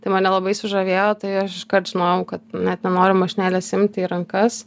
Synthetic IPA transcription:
t̪ɐɪmɐnʲɛlˠɐbɐɪsʊʒɐʋʲeːjoːt̪ɐɪɐʃɪʃkɐrt̪ʒ̥ʲɪnoːjʊkɐt̪nʲɛt̪nʲɛnoːɾʲɪmɐʃʲɪnʲæːlʲɛsɪmʲt̪ʲiɾɐŋkɐs

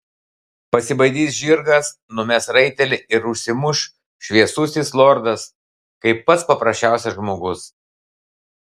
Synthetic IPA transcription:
pɐsʲɪbɐɪd̪ʲiːs̬ʒʲiɾɡɐs | nʊmʲɛsɾɐɪt̪ʲɛlʲɪɪɾʊʃʲsʲɪmʊʃ | ʃʲʋʲiɛsʊsʲiːslˠoːɾd̪ɐs | kɐɪpːɐt̪spɐpɾɐsʲt͡ʃʲæˑʊsʲɛʒmoːɡʊs

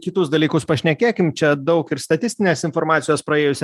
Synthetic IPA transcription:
kʲɪt̪ʊsd̪ɐlʲiːkʊspɐʃʲnʲɛkʲeːkʲɪmt͡ʃʲɛd̪ɐʊkɪɾst̪ɐt̪ʲɪsʲt̪ʲɪnʲeːsɪnfoːɾmɑːt̪ʲɪjoːspɾɐeːjʊsʲ

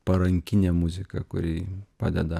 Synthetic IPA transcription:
pɐɾɐŋʲkʲɪnʲɛmʊzʲɪkɐkʊ̰ɾʲiːpɐd̪ʲɛd̪ɐ

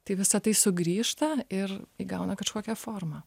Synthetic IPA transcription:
t̪ɐɪʋʲɪsɐt̪ɐɪsʊɡɾʲiːʃt̪ɐɪriɡɐʊnɐkɐʃkoːkʲɛfoːrmɐː

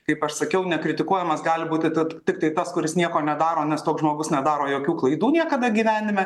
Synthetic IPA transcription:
kɐɪpɐʃsɐkʲɛʊnʲɛkɾʲɪt̪ʲɪkuɔjɛmɐsɡɑːlʲɪbuːt̪ʲɪt̪ɐtʲɪk̚t̪ɐɪt̪ɐskʊɾʲɪsnʲiɛkoːnʲɛd̪ɑːɾoːnʲɛst̪oːksʒmoːɡʊsnʲɛd̪ɑːɾoːjoːkʲuːklˠɐɪd̪uːnʲiɛkɐd̪ɐɡʲiːʋʲæːnʲɪmʲɛ

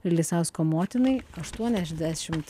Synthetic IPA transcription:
ɪɾlʲisɐʊskoːmoːt̪ʲɪnɐɪɐʃt̪uɔnʲɛʒʲd̪ʲæʃʲɪmt̪

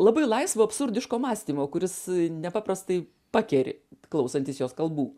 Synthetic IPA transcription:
lˠɑːbɐɪlˠɐɪsʋɐːɐpsʊɾʲd̪ʲɪʃkoːmɑːsʲt̪ʲiːmoːkʊɾʲɪsnʲɛpɑːpɾɐst̪ɐɪ | pɑːkʲɛɾʲɪ̰klˠɐʊsɐnʲt̪ʲiːsjoːskɐlˠbuː

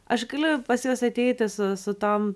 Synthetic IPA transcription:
ʔɐʃɡɐlʲʊpɐsjoːsɐt̪ʲɛɪt̪ʲɪsʊsʊt̪oːm

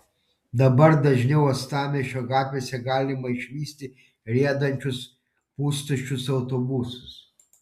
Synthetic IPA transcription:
d̪ɐbɐɾd̪ɐʒʲnʲɛʊɐst̪ɑːmʲeʃʲoɡɑːt̪ʲʋʲesʲɛɡɑːlʲɪmɐɪʃʲʋʲiːsʲt̪ʲɪ | ɾʲiɛd̪ɐnʲt͡ʃʲʊs | puːst̪ʊt͡ʃʲʊsɐʊt̪obusʊ̥s

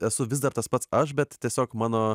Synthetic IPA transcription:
ɛsʊʋʲɪzd̪ɐɾt̪ɐspɐt̪sɐʃ̬bʲɛt̪tʲiɛsʲoːkmɑːnoː

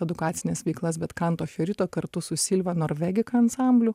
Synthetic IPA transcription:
ɛd̪ʊkɑːt̪sʲɪnʲeːsʋʲɛɪklˠɐsbʲɛt̪kɐnt̪oːxʲoɾʲɪt̪oːkɐɾt̪ʊsʊsʲɪlʲʋɐnoːɾʲʋʲɛɡʲɪkɐɐnsɑmʲbʲlʲʊ

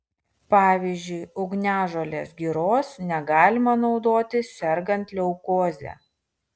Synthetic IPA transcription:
pɑːʋʲiːzʲd͡ʒʲʊɪʊɡnʲæːʒoːlʲeːsɡʲiːɾoːsnʲɛɡɑːlʲɪmɐnɒʊd̪oːt̪ʲɪsʲɛɾɡɐnt̪ʲlʲɛʊkoːzʲæ̰ː

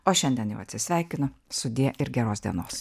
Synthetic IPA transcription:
oːʃʲɛnʲd̪ʲiɛnjɛ̰ʊɐt̪ʲsʲɪsʲʋʲɛˑɪkʲɪnʊsʊd̪ʲiːɛʔɪɾɡʲɛɾoːsd̪ʲiɛnoːs

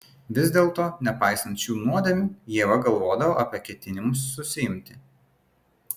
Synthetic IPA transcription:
ʋʲɪzʲd̪ʲeːlˠt̪oːnʲɛpɑɪsɐnt̪ʃʲuːnuɔd̪ʲɐmʲuːjiɛʋɐɡɐlˠʋoːd̪ɐʋɐʔɐpʲiɛkʲɛt̪ʲɪnʲɪmʊsːʊsʲɪɪmʲt̪ʲɪ

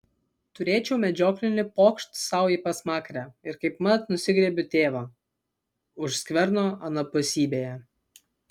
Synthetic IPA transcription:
t̪ʊɾʲeːt͡ʃʲɛʊmʲɛd͡ʒʲoːklʲɪnʲɪpoːkʃt̪sɑˑʊjipɐsmɑːkɾʲæɪɾkɐɪpmɐt̪nʊsʲɪɡɾʲɛːbʲʊt̪ʲeːʋɐ | ʊʃsʲkʲʋʲɛɾnoːɐnɐpʊsʲiːbʲeːjɛ

